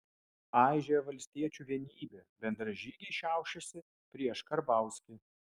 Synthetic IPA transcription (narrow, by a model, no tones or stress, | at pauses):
ɑˑɪʒʲeʋɐlʲsʲt̪ʲiɛt͡ʃʲuːʋʲiɛnʲiːbʲeːbʲɛnd̪ɾɐʒʲiːɡʲɛɪʃʲæˑʊʃʲɛsʲɪ | pʲɾʲiɛʃkɐɾbɑˑʊsʲkʲɪ